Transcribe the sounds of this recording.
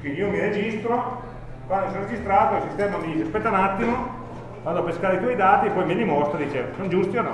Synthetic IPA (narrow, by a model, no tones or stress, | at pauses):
kiniomiɾed͡ʒist̪ɾo | kwand̪osonred͡ʒist̪ɾaːt̪oilsist̪ɛːmamiiaspɛt̪ːaunat̪ːimo | vand̪oapeskaːɾek̪ɔjd̪aːt̪iepːɔjmenimɔst̪ɾod̪it͡ʃḛːvosond͡ʒust̪ionɔ̰